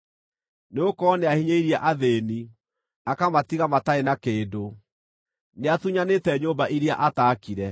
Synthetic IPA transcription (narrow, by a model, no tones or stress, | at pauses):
neokɔneahiɲeiɾjaʔaðeni | akamatiɣamataenakeːdo | neatuɲanetɛɲoːmbaʔiɾjaʔataːkiɾɛ